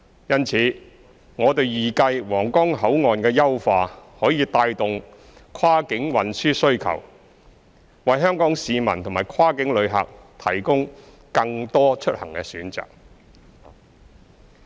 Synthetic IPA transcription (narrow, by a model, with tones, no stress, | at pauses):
jɐ˥nt͡sʰiː˨˧ | ŋɔː˨˧t̪e˨jjiː˨kɐ˧jwɔː˨˩ŋkɔː˥ŋɦɐ˨˥wŋɔː˨nkɛː˧jɐ˥wfaː˨˧hɔː˨˥jiː˨˧t̪aː˧jt̪ʊ˨ŋ | kʰwaː˥kɪ˨˥ŋwɐ˨nsyː˥sɵ˥ɥkʰɐ̰˨˩w | wɐ˨jɦœː˥ŋkɔː˨˥ŋsiː˨mɐ̰˨˩nt̪ʰʊ˨˩ŋmaː˨˩jkʰwaː˥kɪ˨˥ŋlɵ˨˧ɥɦɐ̰˨k̚t̪ʰɐ˨˩jkʊ˥ŋ | kɐ˧ŋt̪ɔː˥t͡ʃʰɵ˥t̚hɐ˨˩ŋkɛ̰ː˧syː˨˥nt͡sa̰ː˨k̚